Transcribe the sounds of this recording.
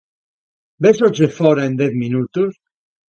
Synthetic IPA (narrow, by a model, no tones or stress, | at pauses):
besɔd͡ʒefɔɾaend̪ɛθminut̪us